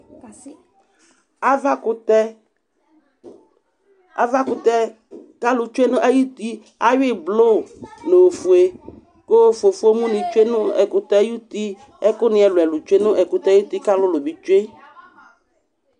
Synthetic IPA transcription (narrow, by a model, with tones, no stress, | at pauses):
a˦va˦kʊ˨˦tɛ˦ | a˨va˦kʊ˨t̪ɛ˦ | ka˦lʊ˨t͡ʃu˦e˦nʊ̃˦ʔa˦ju˦t̪i˦ | a˦wɪ˦˨blo˦˨no˨o˨fu˨e˨ | ko˦fe˨fu˦o˦mũ˦nɪ̃˨t͡ʃu˦e˦nʊ̃˦ɛ̰˨kʊ˨t̪ɛ˦ju˦t̪i˦ | ɛ˦kʊ˦nɪ̃˨ɛ˨lʊ˨ɛ˨lʊ˨t͡ʃe˦nʊ̃˦ʔɛ˨kʊ˨t̪ɛ˦ji˦t̪i˦ka˦lʊ˦lʊ˨bi˨t͡ʃu˦e˦